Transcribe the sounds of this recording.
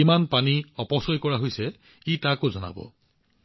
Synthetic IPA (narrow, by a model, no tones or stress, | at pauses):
imanpaniɔpɔsɔjkɔɹaɦojsɛ | itakozɔna̰bɔ̰